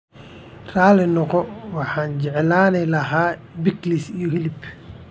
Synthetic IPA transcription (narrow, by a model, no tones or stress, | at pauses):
raːlɛnɔqɔwɑħaːnd͡ʒɛʕɛlaːnɛlɐɦaː | bɪklisijɔhilɪb